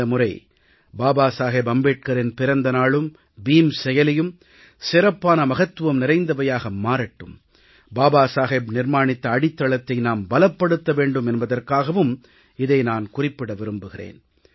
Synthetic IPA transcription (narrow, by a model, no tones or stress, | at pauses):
ɐmʊrɐɪ | baːbaːsaːɣeːbɐmbeːʈ̚kɐɾɪnpɪɾɐnd̪ɐnaːɭɯm | biːmsɛjɐlɐjɯm | sɪɾɐpːaːnɐmɐɣɐt̪ːɯʋɐmnɪɾɐɪnd̪ɐʋɐjaːɣɐmːaːɾɐʈːɯ̰m | baːbaːsaːɣeːbnɪrmaːɳɪt̪ːɐːɽɪt̪ːɐɭɐt̪ːɐɪnaːmbɐlɐpːɐɽɯt̪ːɐʋeːɳɖɯmɛnbɐðɐrkaːɣɐʋɯm | ɪðɐɪnaːnkʊrɪpːɪɽɐʋɪɾɯmbɯɣɪrḛːn